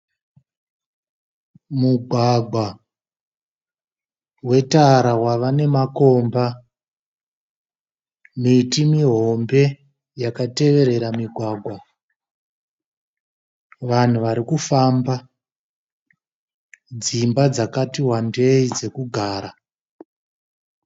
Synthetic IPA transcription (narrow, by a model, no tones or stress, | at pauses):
muɡʱwaɡʱwa | we̞taɾawaʋane̞mako̞mba | mitimiɦo̞mbe̞ | jakate̞ʋe̞ɾe̞ɾamiɡʱwaːɡʱwa | ʋan̤uʋaɾikufamba | d͡zimbad͡zakatiwandeid͡ze̞kuɡʱaːɾa